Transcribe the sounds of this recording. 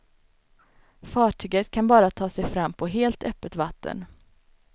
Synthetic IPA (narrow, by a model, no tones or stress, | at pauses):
fɑːʈʰyːɡət̪kʰanbɑːɾat̪ʰɑːsɛjfɾamːpʰɔɦeːlt̪œpːət̪vat̪ʰːə̰n